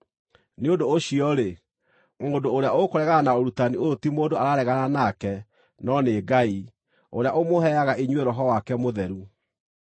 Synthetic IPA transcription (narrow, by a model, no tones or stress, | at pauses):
neondoːɕiɔɾe | ŋodoːɾeaokoɾɛɣaanaoɾutaniotimoːdoaɾaɾɛɣananakɛ | nɔneɡai | oɾeaʔomohɛaɣaʔeɲweɾɔɦɔwakɛmoðɛɾu